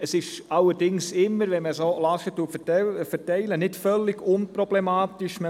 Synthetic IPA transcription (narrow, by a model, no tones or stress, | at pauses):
əsɪʃɑlːəɾd̥ɪŋsɪmːəɾʋɛnməsolɑʃətːuəffəɾtɛɪlənɪtfœlːɪɡʊnprɔb̥lɛmɑːtɪʃmə